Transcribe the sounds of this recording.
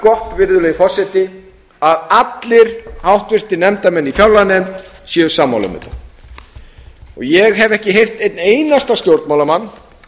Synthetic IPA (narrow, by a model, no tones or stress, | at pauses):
kɔht̪vɪɾðʏlɛːɣifɔrsɛt̪ɪ | aðat̪lɪɾ̥hawht̪vɪr̥t̪ɪnɛmt̪amɛnːifjawlanɛmt̪sɛʏsaːmːa̰wlʏ̰mʏ̰ːt̪a | ɔɣjɛɣɦɛvɛhcɪɦejr̥t̪ejt̪nejnast̪ast̪jowɾt̪mawlamanː